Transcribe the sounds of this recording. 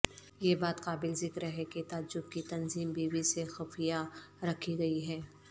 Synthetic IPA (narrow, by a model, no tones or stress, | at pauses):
jebaːt̪qaːbɪlzɪkɾɦɛket̪aːd͡ʒʊb̚kit̪ɐnziːmbiːwisexɐfijaɾɐkʰiɡɐiɦɛː